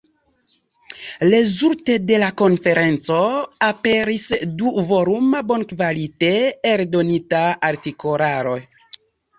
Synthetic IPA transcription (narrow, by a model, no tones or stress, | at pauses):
lezuɾte̞de̞lako̞nfe̞ɾe̞nt͡so̞ape̞ɾisduvo̞ɾumabo̞nkvaliteeɾdo̞nitaaɾtiko̞ɾaɾo̞j